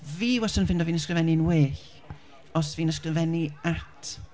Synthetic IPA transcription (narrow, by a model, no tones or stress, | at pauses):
viːwɛsɔnfɪndɔviːnəskrəvɛninweːɬ | ɔsviːnəskrəvɛniatʰ